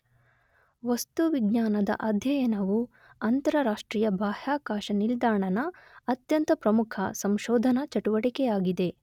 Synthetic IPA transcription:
ʋɐst̪uʋiɡɲaːnɐd̪ɐ̰ʔɐd̪ʱjɐjɐnɐʋu | ɐnt̪ɐɾɐɾaːʂʈɾiːjɐbaːhaːkaːʃɐnild̪aːɳɐnɐːt̪jɐnt̪ɐpɾɐmukʰɐsɐmʃɔːd̪ʱɐnɐt͡ʃɐʈuʋɐʈikɛjaːɡid̪e̞

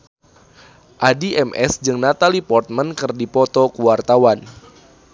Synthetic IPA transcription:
ʔadiʔɛmʔɛ̰sd͡ʒɨŋnat̪alipɔrt̪̚mənkɨrdipɔt̪ɔkuwart̪awan

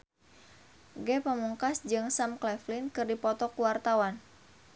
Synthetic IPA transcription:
ɡɛpəmuŋkasd͡ʒɨŋsamklɛflinkɨrdipɔt̪ɔkuwart̪awan

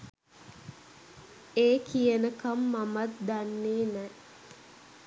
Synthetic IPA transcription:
eːkijənəkamːamat̪̚d̪anːeːnɛ

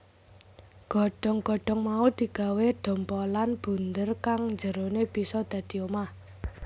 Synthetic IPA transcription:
ɡ̥ɔɖ̥ɔ̤ŋɡ̥ɔ̤ɖ̥ɔ̤ŋmaud̪̥i̤ɡ̥a̤weɖ̪̥ɔ̤mpɔlanb̥ṳnd̪ərkaŋɲd͡ʒəɾonebisɔd̪̥ä̤d̪̥i̤oma

